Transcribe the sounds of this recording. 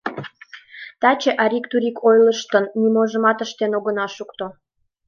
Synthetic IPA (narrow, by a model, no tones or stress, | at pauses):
t̪ɑt͡ɕeʔɑɾʲikt̪uɾʲikʰojləʃt̪ənːimoʒə̆mɑt̪əʃt̪enoɣə̆nɑʃukt̪o